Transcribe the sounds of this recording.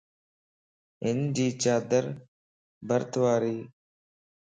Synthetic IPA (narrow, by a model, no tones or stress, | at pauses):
ɪnd͡ʒiːt͡ʃaːd̪əɾ | bəɾt̪ʋaːɾiː